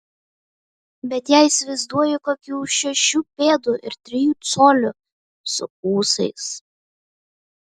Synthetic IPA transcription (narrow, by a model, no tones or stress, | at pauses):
bʲɛt̪jæˑɪɪsʲʋʲɐɪzd̪uɔjɪkoːkʲuːʃʲɛʃʲuːpʲeːd̪uːʔɪ̰ɾt̪ʲɾʲɪjuːt̪soːlʲʊ | sʊ̰kuːsɐɪs